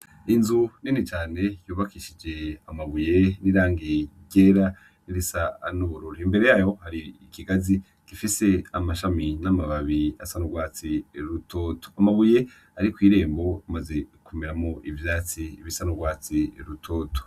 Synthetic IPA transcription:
inzuninit͡ʃaːne̞juːβakiʃid͡ʒe̞amaβuje̞niɾaːŋɡiɟe̞ɾa | niɾisanuβuɾuːɾimbe̞ɾe̞jaːjo̞haɾiikiɡazi | kifise̞amaʃaminamaβaβia̰sanuɡwaːt͡siɾutʰoto̥amaβuje̞ | aɾikwiːɾe̞ːmbo̞umaze̞kumeɾamoʔivjaːt͡siβisanuɡwaːt͡siɾutʰoːto̥

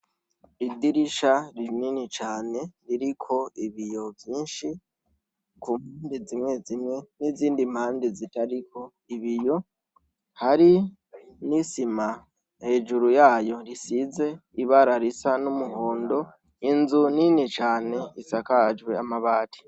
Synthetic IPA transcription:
idiɾiʃaɾininit͡ʃaːne̞ɾiɾikʰo̞iβijo̞vjiːnʃi | kumhaːndizimŋe̞zimŋe̞niziːndim̥haːndizitaɾikʰo̞ | iβijo̞ | haɾi | nisima | he̞ːʒuɾujaːjo̞ɾisize̞iβaɾaɾisanumuɦo̞ːndo̞ | inzuninit͡ʃaːne̞isakad͡ʒɡwe̞amaβaːtʰi̥

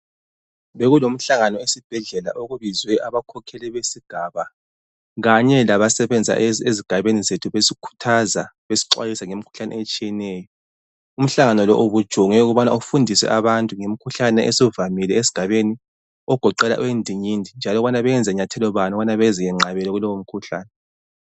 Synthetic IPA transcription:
βeɣulom̩ɬaŋanɔesib̥ʱɛɮɛla̰ʔoɣuβizwɛʔaβakʰɔkʰɛlɛβesiɡ̥ʱaːβa | ɣaɲɛlaβasɛβɛnd͡zʱa̰eziɡ̥ʱaβenizetʰuβesikʰu̥tʰazaβesi̥ǃwa̰jisaŋemikʰu̥ɬanɛ̰et͡ʃʼijɛnɛːjɔ | um̩ɬaŋanɔlɔʔoβud̥ʒ̥ʱoŋɛuɣuβana̰ufundʱisɛ̰ʔaβantʼuŋemikʰuɬanɛʔesɔvamilɛezi̥ɡ̥ʱaβeni | ɔɡ̥ʱɔǃɛla̰ʔuwendʱiɲindʱind͡ʒʱalɔβanaβɛɛnd͡zʱɛɲatʰɛlɔβanɔanaβɛzijɛŋ͡ǁaβɛlɛɣulɔwom̩kʰuɬa̰ːnɛ

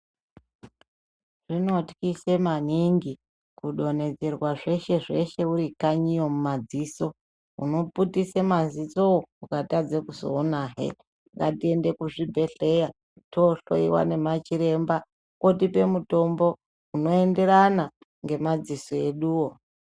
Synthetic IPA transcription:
ʐ̥ino̞tkisemaniŋɡi | kuɗo̞ne̞d͡ze̞rwaʐe̞ʃe̞ʐe̞ʃe̞uɾikaɲijo̞mumad͡ziːso̞ | ṵno̞putisemazit͡so̞ukatad͡zekuzo̰ːnaːɦḛ | ŋɡatie̞nde̞kuʐibʱe̞ɬe̞ja | toɬo̰iwa̰ne̞mat͡ʃiɾe̞mba | kotipe̞muto̞mbo̞ | uno̞e̞nde̞ɾana | ŋɡe̞mad͡ziso̞e̞ɗuːwo

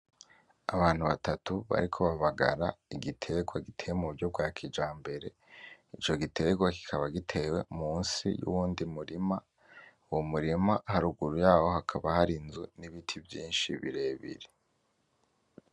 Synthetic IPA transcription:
aβaːn̥huβatatuβa̰ɾikʰo̞βaβaɡa̰ɾaiɡitʰe̞ɡwaɡitʰe̞ːwemuɾuɾɟo̞b̚ɡwaːkʰid͡ʒaːmbe̞ɾe̞ | it͡ʃo̞ɡitʰe̞ɡwaki̥kʰaβaɡitʰe̞ːwe̞muːnsḭjṵwuːndimuɾima | uwomuɾimahaɾuɡuɾujaːho̞hakʰaβahaɾinzuniβitʰivjiːnʃḭβḭɾe̞ːβḭɾe

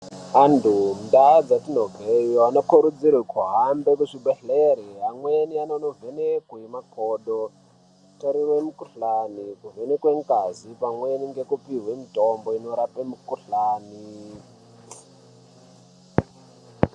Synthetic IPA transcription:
andʰʱum̩daːd͡zatinoɡʱejanokuɾud͡zirwekʰuɦambekuʂiɓeɬeɾiamwenianonovenekuimakʰoːɗo | toɾiwemukuɬanikuvenekweŋkʼazipamweniŋɡekupiɦwemitomboinoɾapemukuɬaːni

